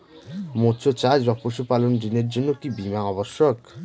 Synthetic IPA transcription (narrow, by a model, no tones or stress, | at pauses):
mot͡ɕʰot͡ɕad͡ʑɔpoʃupalondineɾd͡ʑonːokibimaɔboʃːok